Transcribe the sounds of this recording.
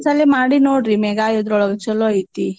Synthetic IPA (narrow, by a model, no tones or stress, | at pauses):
sɐlːimaːɽinoːɽɾimɛɡaːjɔd̪ɾɔɭɐɡɐt͡ʃɐloit̪i